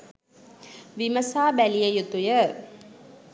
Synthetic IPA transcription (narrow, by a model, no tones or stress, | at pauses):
ʋiməsaːbælijəjut̪ujə